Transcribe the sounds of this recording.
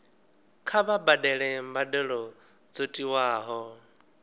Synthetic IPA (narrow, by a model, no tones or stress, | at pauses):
kʰaβabadɛɺɛmbadɛɺɔ | d͡zotʼiwaːɦɔ